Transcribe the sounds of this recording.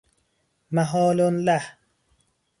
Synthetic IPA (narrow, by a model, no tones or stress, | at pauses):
maɦɔːlonla